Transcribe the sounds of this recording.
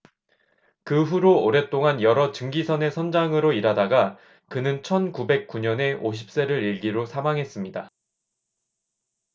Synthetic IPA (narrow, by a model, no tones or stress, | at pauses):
kɯɸuɾooɾe̞t͈oŋanjʌɾʌt͡ɕɯŋɡisʰʌne̞sʰʌnd͡ʑaŋɯɾoiɾadaɡa | kɯnɯnt͡ɕʰʌnkube̞k̚k͈uɲʌne̞ʔoɕ̬ʰi̥p̚s͈e̞ɾɯɾiɭɡiɾosʰamaŋɦe̞s͈ɯmɲida